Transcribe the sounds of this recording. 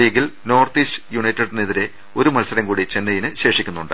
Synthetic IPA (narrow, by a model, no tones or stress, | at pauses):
iɣilno̞ːrt̪iːɕɨ̥juɳɐjtːɐɽneðiɾe̞ | o̞ɾumɐlsɐɾɐmkuːɽit͡ɕe̞nːɐjinɨɕe̞ːʂikʲːunːuɳɖɨ